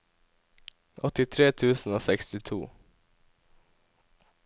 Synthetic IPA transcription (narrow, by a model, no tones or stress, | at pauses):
ɔt̪ɪt̪ʰɾeːt̪ʰʉːsn̩oːsɛkst̪ɪt̪ʰṵː